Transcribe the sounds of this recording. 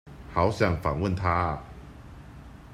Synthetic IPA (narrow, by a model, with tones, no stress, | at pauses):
ha˨˦ʊɕja˨˩ŋfa˨˩ŋwə˥˨nt̪ʰa˦˨